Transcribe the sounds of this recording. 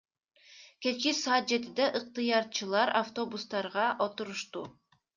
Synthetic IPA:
ke̞t͡ʃkʲisɑːt̪̚d͡ʒe̞t̪id̪ɛʔɯq̚t̪ɯjɑɾt͡ʃɯlˠɑɾaft̪o̞bust̪ɑɾʁɑʔo̞t̪uɾuʃt̪u

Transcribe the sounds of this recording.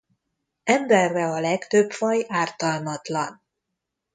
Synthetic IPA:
ɛmbɛrːɛɒlɛkt̪øbfɒjaːrt̪ɒlmɒt̪lɒn

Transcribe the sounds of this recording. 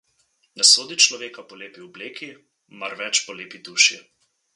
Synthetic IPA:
nɛsoːd̪it͡ʃlɔʋeːkapɔleːpiɔbleːki | maɾʋɛt͡ʃpɔleːpid̪uːʃi

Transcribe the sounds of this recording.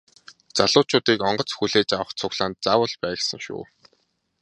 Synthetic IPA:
t͡saɮʊːt͡ɕʊːt̪iːkɔɴɢɞ̆t͡sxuɮeːt͡ɕawə̆χt͡sʰʊɣɮaːnt̪̚t͡saːwə̆ɮpæːsə̆ŋʃʊ̰ː

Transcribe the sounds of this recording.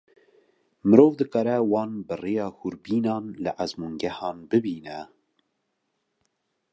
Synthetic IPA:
mɨɾoːvd̪ɨkɑːɾɛwɑːnbɨreːjɑːhuɾbiːnɑːnlɨʔæzmuːŋɡɛhɑːnbɨbiːnɛ

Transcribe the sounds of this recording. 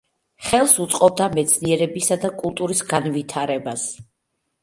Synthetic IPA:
χɛlˠsut̪sʼqʼɔb̚d̪amɛt̪sʰniɛɾɛbisad̪akʼulˠt̪ʼuɾisɡanvit̪ʰaɾɛbas

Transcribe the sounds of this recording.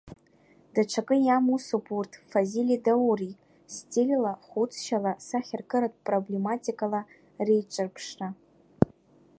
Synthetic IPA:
d̥aʈ͡ʂʷʰakʼɨjamusopʰurtʰfazilidauri | stʼelʲlaχut͡sʰʃalasaχʲɪrkʼɨɾatʼpʼroblematʼikʼala | rejʈ͡ʂʷʼɨrpʰʂra

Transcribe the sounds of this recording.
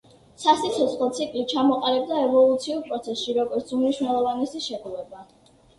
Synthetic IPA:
sasit̪sʰɔt̪sχlˠɔt̪sʰikʼlit͡ʃʰamɔqʼalɛb̚d̪aɛvɔlˠut̪sʰiuɾpʼɾɔt̪sʰɛsʃiɾɔɡɔɾt̪sumniʃwnɛlˠɔvanɛsiʃɛɡulɛba

